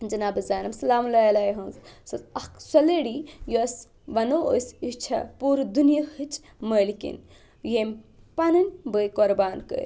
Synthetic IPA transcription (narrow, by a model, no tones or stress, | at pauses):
d͡ʒɐnaːbɨzaːnɐmsɐlaːmlɐjɐlajɦɐ̃nzsɐt̪ɐksɐleɽijoɐs | ʋɐnoo̰sit͡ʃʰɐ̰puːɾd̪unijɐhɨt͡ʃʰ | mɐjlikḭn | jemʲpɐnɐnʲbəjkoɾbaːnkə̰